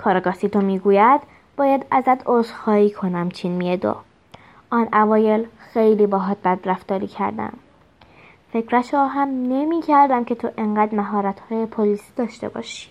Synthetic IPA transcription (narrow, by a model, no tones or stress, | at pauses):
kʰɒːɾɑɡɒsit̪ʰomiːɡuːjæd̪ | bɒːjæd̪æzæd̪ozxɒːiːkʰo̞næmt͡ʃʰinmied̪o̰ | ɒːnævɒːje̞lxe̞jliːbɒːɦɒːt̪̚bæd̪ɾæfd̪ɒːɾḭːcʰæ̰ɾd̪æ̰m | fe̞cʰɾæʃɒːɦæmne̞miːcʰæɾd̪æmcʰe̞t̪ʰoʔeɴɢæːd̪mæɦɒːɾæt̪hɒːjepʰoliːsid̪ɒːʃt̪e̞̰bɒ̰ːʃi̥